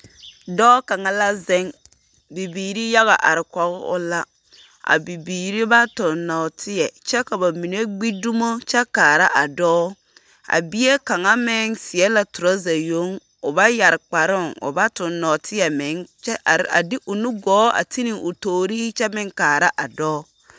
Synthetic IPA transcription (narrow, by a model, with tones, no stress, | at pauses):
dɔː˦ka˨ŋa˦la˦zɪ˦ŋ | bi˨biː˨ɾi˦ja˦ɣa˨ʔa̰˨ɾɪ˨kɔ˨ɣɪ̰˦ʔʊ̰˦la˦ | ʔa̰˨bi˨biː˨ɾi˦ba˦tʊ˨nnːɔ˨tʰɪ˦jɛ˨t͡ʃɛ˦ka˨ba˨mi˨ne˦ɡ͡bi˦du˦mo˦t͡ʃɛ˦kaː˨ɾa˦ʔa˨dɔː˦ | a̰˨bi˦e˦ka˨ŋa˦mɪ˦ŋsɪ˨ɛ˦la˨tʊ˨ɾɔ˦za˨jo˦ŋ | ʊ˨ba˦ja˨ɾɪ˨k͡pa˨ɾɪ˦˨ŋʊ̰˨ba˦tʊ˨nːɔ˨tʰɪ˦ɛ˨mɪ˨˦ŋt͡ʃɛ˦˨a̰˨dɪ˦ʔʊ˨nu˦ɡɔː˨˦a̰˨ti˦nɪ˨ʊ˨toː˨ɾi˦hɪ˦t͡ʃɛ˦mɪ˦ŋkaː˨ɾa˦ʔa˨dɔː˦